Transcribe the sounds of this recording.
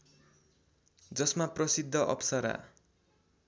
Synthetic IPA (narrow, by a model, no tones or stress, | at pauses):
d͡zʌsmaprʌsid̪ʱːʌʔʌ̰psʌɾa̰